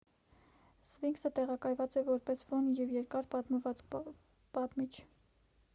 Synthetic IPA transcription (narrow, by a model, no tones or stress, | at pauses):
sviŋksət̪ɛʁɑkɑjvɑt͡sɛvɔɾpɛsfɔnjɛvjɛɾkɑɾpɑt̪məvɑt͡s | pɑt̪mit͡ʃʰ